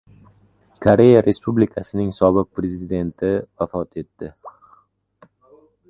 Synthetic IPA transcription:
kʰoɾe̞jaɾʔe̞spublɪkʰasɪnɪŋsɒbɨq̚pɾezɪd̪e̞nt̪ʰɪvafɒt̪ʰe̞t̪ːɪ

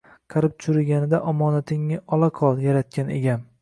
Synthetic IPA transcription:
qʰɑɾɪp̚t͡ʃ̪ʰʊɾɪɡʲanɪd̪aʔɒmɒnat̪ʰɪŋːɪʔɒlˠaqʰɒlˠjaɾat̪̚kʲane̞̰ɡʲam

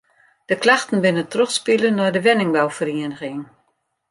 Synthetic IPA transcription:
d̥əklaxtən̩bɪnətroxspilənːɔjdəʋɪnɪŋbawfəriənəɣɪŋ

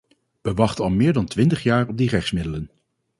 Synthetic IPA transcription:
ʋəʋɑχtənɑlˠmɪːɹdɑntʋɪntəχjaːɹɔb̚dirɛχsmɪdələn

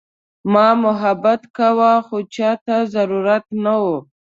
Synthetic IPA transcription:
mɑmʊɦabat̪kawaxot͡ʃɑt̪azaɾuɾat̪nawo

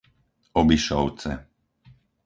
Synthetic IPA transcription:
ɔbiʃɔʊt͡sɛ

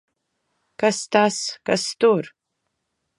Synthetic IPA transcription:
kɐstʰaskɐstor

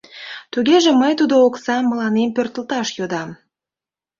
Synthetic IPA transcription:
t̪yɡʲeʒĕməjt̪ud̪ooksɑmːə̆lɑnempørt̪ə̆lt̪ɑʃjod̪ɑm

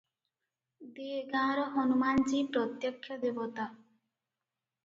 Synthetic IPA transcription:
d̪eeɡãɾɔɦɔnumant͡ʃipɾɔt̪jɔkʰːjɔd̪ebɔt̪a

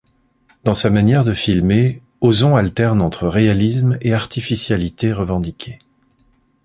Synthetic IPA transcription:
d̪̥ɑ̃samanjɛʁd̪əfilme | ozɔ̃alt̪ɛʁnɑ̃t̪χəʁealismeaʁt̪ifisjalit̪eʁəvɑ̃d̪ikʲʰe

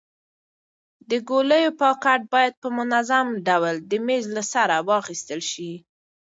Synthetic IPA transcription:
d̪əɡoləjopɑkaʈ̚bɑjad̪̚pəmʊnazamɖawld̪əmezlasaɾawɑxist̪əlʃi

